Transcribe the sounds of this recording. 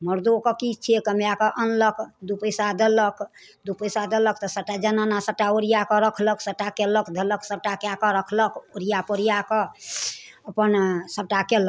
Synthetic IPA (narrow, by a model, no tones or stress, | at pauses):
məɾd̪okɔkit͡ʃʰiekəmjakəʔənləkd̪upəjsad̪elək | d̪upəjsad̪elək̚t̪ɔsəʈad͡ʒənanasəʈaoɾijakɔɾəkʰləksəʈakeləkd̪ʱeləksəb̚ʈakjakəɾəkʰləkoɾijapoɾijakɔ | əpənsəb̚ʈakel